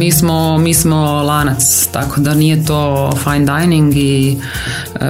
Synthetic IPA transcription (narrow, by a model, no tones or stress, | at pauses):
iːsmomiːsmolaːnat̪st̪akod̪anijet̪oːfajnd̪ajniŋɡi